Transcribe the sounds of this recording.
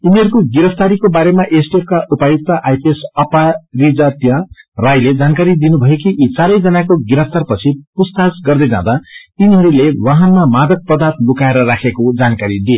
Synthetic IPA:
uniɦʌɾukoɡiɾʌpʰt̪aɾikobaɾemaʔesʈep̚kaʔupajuk̚t̪ʌʔajpʰesʌparid͡zat̪jʌrajled͡zankaɾid̪inubʱʌjekiʔit͡saɾʌjd͡zʌnakoɡiɾʌpʰt̪arpʌt͡sʰipust̪asɡʌrd̪ʌjd͡zã̰d̪ainiɦʌɾulewaɦʌnmamad̪ʌk̚pʌd̪art̪lukaeɾʌɾakʰekod͡zankaɾid̪ie

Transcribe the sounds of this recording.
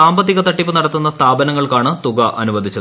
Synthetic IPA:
aːmbɐt̪ːiɣɐt̪ɐʈːipːɨnɐɽɐt̪ːunːɐst̪ʰaːbɐnɐŋːɐɭkaːɳɨt̪uɣɐʔɐnuʋɐd̪ʱit͡ɕːɐð

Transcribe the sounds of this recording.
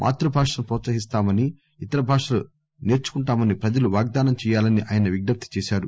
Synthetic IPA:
mʔa̰ːt̪ɾɐbʱaːkʂɐmpɾɔːt̪sɐɦist̪aːmɐni | it̪ɐɾɐbʱaːkʂɐlu | neːɾt͡ʃu̥kuɳʈaːmɐnipɾɐd͡ʒɐluʋaːɡ̚d̪aːnɐmt͡ʃɛːjaːlɐniʔaːjɐnɐʋiɡ̚nɐp̚t̪i̥t͡ʃɛːʃaːɾu

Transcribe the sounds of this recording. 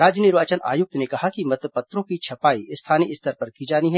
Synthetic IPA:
ɾaːd͡ʒənɪɾʋaːt͡ʃəna̰ːjʊk̚t̪nekɐɦakimɐt̪əpɐt̪ːɾõkit͡ʃʰɐpaːist̪ʰaːniɪst̪ɐɾpɐɾkid͡ʒaːniɦɛ

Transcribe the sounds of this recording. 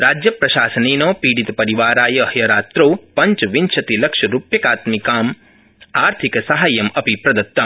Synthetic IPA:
ɾaːd͡ʒjɐpɾɐʃaːsɐneːnoːpiːɽit̪ɐpɐɾiʋaːɾaːjɐɦjɐɾaːt̪ɾoːpɐɲt͡ʃɐʋint͡ʃʰɐt̪ilɐkʂɐɾupjɐkaːt̪mikaːm | aːɾt̪ʰikɐsɐɦaːjɐmɐpipɾɐd̪ɐt̪ːɐ

